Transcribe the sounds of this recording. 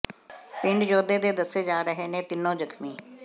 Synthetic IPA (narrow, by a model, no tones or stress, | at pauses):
pɪ̃ɳɖd͡ʒoːd̪eːd̪eːd̪əsːeːd͡ʒaːɾəɦeːnẽːt̪ɪnːõːd͡ʒəkʰmiː